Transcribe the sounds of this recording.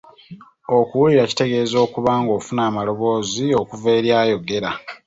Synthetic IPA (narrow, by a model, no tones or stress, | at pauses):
o̞kuwuliɾaci̥te̞ɡe̞ːzo̞ːkuβaːŋɡo̞ːfunaːmalo̞βo̞ːzio̞kuve̞ːɾjaːjo̞ɡe̞ɾa